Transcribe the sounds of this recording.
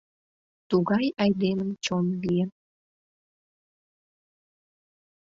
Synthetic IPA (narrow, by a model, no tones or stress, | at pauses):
t̪uɣɑjɑjd̪emənt͡ɕonlijən